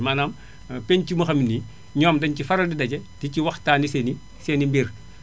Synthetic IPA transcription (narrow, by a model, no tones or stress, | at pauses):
maːnaːm | peɲcimuxɐmini | ɲɔːmdɐɲcifɐɾɐdidɐɟɛticiwɐxtaːniseːni | senimbir